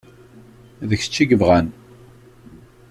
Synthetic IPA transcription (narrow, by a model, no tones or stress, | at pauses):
ðəçə̥t͡ʃːiɡəvʁæn